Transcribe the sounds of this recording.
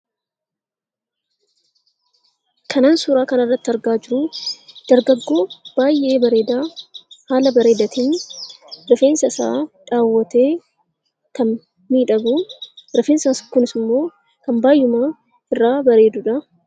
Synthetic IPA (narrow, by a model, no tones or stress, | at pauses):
kʰɐnaːnsuːɾaːkɐnɐrːɐt̪ːɪɐɾɡaːd͡ʒɪɾʊd̪̥ɐɾɡɐɡːo̞ːb̥aːjʔe̞ːbɐɾe̞ːd̪aːhaːlɐbɐɾe̞ːd̪ɐt̪in | ɾɐfe̞ːnsɐɪsa̰ːᶑaːwːɐt̪e̞ː | kɐn | miːᶑɐɡuːɾɐfeːnsɐskʊnɪsɪmːo̞ː | kɐmbaːjːʊmaː | ɪrːaːbɐɾe̞ːd̪ʊᶑɐ